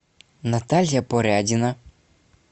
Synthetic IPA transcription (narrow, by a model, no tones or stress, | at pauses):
nat̪alʲjapɔɾʲadʲɪna